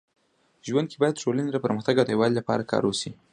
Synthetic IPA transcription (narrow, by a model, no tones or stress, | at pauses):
ʒwand̪̚kʰebɑjad̪ʈolaned̪əpəɾməxt̪aɡad̪əewɑlilapɑ̰ɾakʰɑ̰ɾwosi